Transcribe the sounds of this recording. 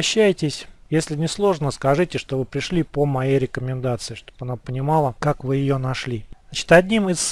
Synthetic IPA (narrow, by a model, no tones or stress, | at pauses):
ɕːæjɪtʲɪsʲjesʲlʲɪnʲɪslˠo̞ʐnəskɐʐɨtʲɪʂt̪o̞vɨpɾʲɪʂlʲipəmɐjejɾʲɪkəmʲɪnd̪at̪sɨɪʂt̪o̞̥pɐnapənʲɪmɑlˠəkakvɨjɪjonɐʂlʲiat͡ɕɪ̥t̪ɐd̪ʲnʲimɨs